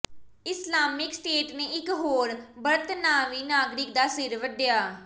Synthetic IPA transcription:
ɪslaːmɪksʈeːʈneːɪkɦoːɾbəɾt̪naːʋiːnaːɡɾɪk̚d̪aːsɪɾʋəɖɪjaː

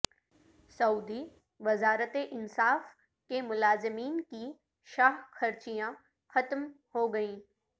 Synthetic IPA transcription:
sɐuːd̪i | ʋɐzaːɾət̪eʔɪnsaːf | kemʊlaːzɪmiːnki | ʃaːɦxɐɾt͡ʃijã | xɐt̪m | hoɡɐĩː

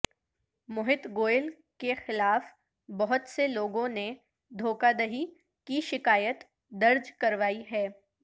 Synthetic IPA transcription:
mʊɦɪt̪ɡoːjɪl | kexɪlaːf | bɐɦʊt̪seloːɡõne | d̪ʱoːkad̪ɐɦi | kiʃɪkaːjət̪ | d̪ɐɾd͡ʒkɐɾʋaːiɦɛː

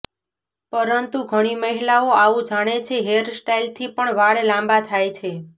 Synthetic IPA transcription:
pəɾənt̪uɡʱəɽ̃iməɦilaoaʋũd͡ʒaɽ̃et͡ʃʰeɦeɾsʈailt̪ʰipəɳʋaɭelãmbat̪ʰajt͡ʃʰe

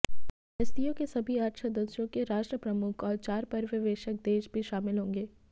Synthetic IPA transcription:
ɦɐst̪ijõkesɐbʱiəɾʃʰəd̪ɐʃjõkeɾaːʃʈɾəpɾɐmʊkʰɔːɾt͡ʃaːɾpɐɾʋɪʋeːʃək̚d̪eːʃbʱiʃaːmɪlɦõːŋɡeː

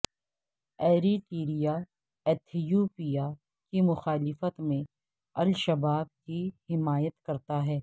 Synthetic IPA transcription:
ɛːɾiʈiːɾija | ɛːt̪ʰijoːpija | kimʊxaːlɪfət̪mẽ | ɐlʃɐbaːb̚kihɪmaːjət̪kɐɾt̪aɦɛː

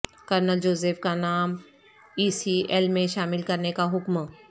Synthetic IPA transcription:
kəɾnəld͡ʒoːzeːfkanaːm | iːsiɛlmẽʃaːmɪlkɐɾnekaɦʊkm

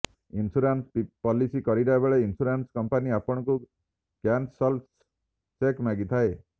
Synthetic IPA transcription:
insuɾanspipɔlisikɔɾiɾaebeɭeinsuɾanskɔmpaniapɔɽ̃ɔku | kansɔl | t͡ʃekmaɡit̪ʰae

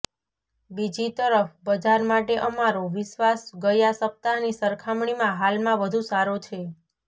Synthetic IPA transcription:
bid͡ʒit̪əɾəfbəd͡ʒaɾmaʈeʔəmaɾoʋɪʃʋasɡəjasəp̚t̪anisəɾkʰamɳimãɦalmãʋəd̪ʱũsaɾot͡ʃʰe

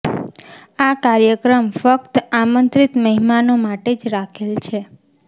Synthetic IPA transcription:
akaɾjəkɾəmfək̚t̪amənt̪ɾit̪məɦimanomaʈed͡ʒɾakʰelt͡ʃʰe

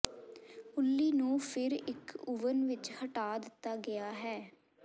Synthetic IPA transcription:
ʊlːiːnũːpʰɪɾɪkʊʋənʋɪt͡ʃhəʈaːd̪ɪt̪ːaːɡɪaːɦɛː

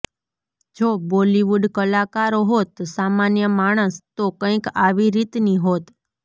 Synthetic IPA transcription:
d͡ʒoboliʋuɖkəlakaɾoɦot̪samanjəmaɽ̃əst̪okə̃ikaʋiɾit̪niɦot̪

